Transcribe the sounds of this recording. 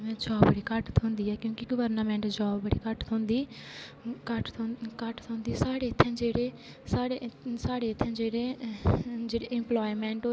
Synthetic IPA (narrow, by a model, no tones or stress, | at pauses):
ɛ̃ːd͡ʒɔːbəɽiːkəʈt̪ʰɦʊ̃ːnd̪iːɛːkjõːkiɡəʋəɾnəːmɛ̃ːɳʈd͡ʒɔːbːəɽḭːkəʈt̪ʰõːnd̪iː | kəʈkəʈt̪ʰɦõːnd̪iːsaːɽeːɪt̪ʰːɛ̃ːd͡ʒeːɽeː | saːɽesaːɽeːɪt̪ʰːɛ̃ːd͡ʒeːɽeː | d͡ʒeːɽeːɪ̃mplɔːimɛ̃ːɳʈoː